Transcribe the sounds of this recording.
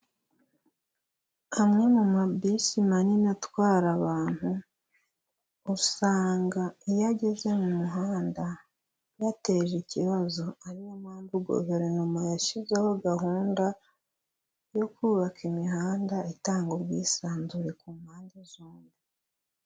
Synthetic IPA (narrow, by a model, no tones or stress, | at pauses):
amŋe̞mumabisimaninatwaːɾaβaːn̥hu | uusaːŋɡaijaɟe̞ze̞mumuɦaːnda | jate̞ʒiciβazo̞aɾijomaːmbuɡo̰βeɾenumajaʃizeho̞ɡaɦuːnda | jo̞kuːβakʰimihaːndaitaːŋɡoɾɡiːsaːnzuɾe̞kumhaːndizoːndi